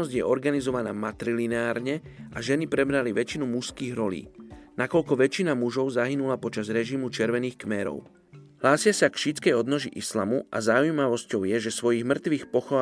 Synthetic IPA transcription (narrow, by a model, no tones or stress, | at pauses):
ɔzɟjɛʔɔɾɡanizɔʋanaːmat̪ɾilinaːɾɲɛʔaʒɛnipɾɛbɾaliʋɛt͡ʃinumuskiːɣɾɔlḭːnakɔʎkɔʋɛt͡ʃinamuʒɔʊzaɦinulapɔt͡ʃazɾɛʒimut͡ʃɛɾʋɛniːxkmɛɾɔ̰ʊ | ɦlaːsɪasakʃit͡skɛjɔd̪nɔʒiʔislamuʔa̰zaujmaʋɔscɔʊjɛʒɛsʋɔjiɣmr̩t̪ʋiːxpɔxɔ